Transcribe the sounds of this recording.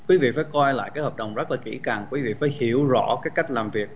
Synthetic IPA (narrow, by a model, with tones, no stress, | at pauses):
kwi˨˦vḭ˧˨faː˧˦jkɔ˧jla̰ː˧˨jkaː˨˦jhəː˨˩p̚ɗə˨˩wŋ͡mzə˦˥laː˨˩kḭ˧˩ka˨˩ŋkwi˨˦vḭ˧˨faː˧˩jhi˧˩əwzɔ̰˧˥kaː˨˦jka˦˥jk̟̚laː˨˩mvi˨˩ək̚